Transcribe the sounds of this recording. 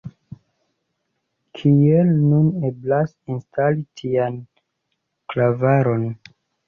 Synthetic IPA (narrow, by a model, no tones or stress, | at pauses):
kʰielnune̞blas | instalitʰian | klavaɾo̞n